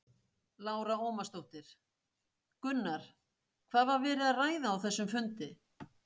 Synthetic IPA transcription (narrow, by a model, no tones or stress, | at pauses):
laːwɾaoːwmast̪owht̪ɪɾ̥ | kʏnːaɾ̥ | kʰvaːðvaɾvɛːɾɪðaraːjðaːwθɛsːʏmfʏnt̪ɪ